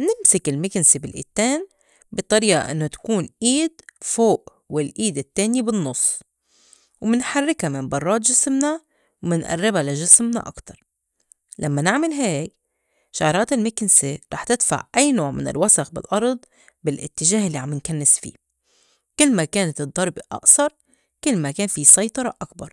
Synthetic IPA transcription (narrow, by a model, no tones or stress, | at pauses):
nɪmsɪkɪlmɪknsibɪlʔḭːt̪ːeːn | bɨt̪ˤːɑɾiːʔa̰ʔɪnːot̪ḁkuːnʔiːd̪foːʔ | wɪlʔiːd̪ɪt̪ːeːnibɪnːʊsˤː | wmɪnħarːɪkhamɪmbɑrˤːɑːt̪ʒɪsmna | wmɪnʔa̰rːɪbalaʒɪsmna̰ʔa̰kt̪ɑɾˤ | lamːanɪʕmalɦeːk | ʃaʕɾˤɑːt̪ɪlmɪkɪnseɾˤɑːħt̪ɪd̪fa̰ʕʔajːnoːʕmɪ̰nɪ̰lwasaxbɪ̰lʔɑɾˤd̪̚ˤ | bɪlʔɪ̰t̪ːɪʒaːhɪlːiʕamːɪnkanːɪsfḭː | kɪlːmakeːnat̪ɨd̪ˤːɑɾˤbiʔɑ̰ʔsˤɑɾˤ | kɪlːmakeːnfisɑjt̪ˤɑɾˤɑʔak̚bɑ̰ɾˤ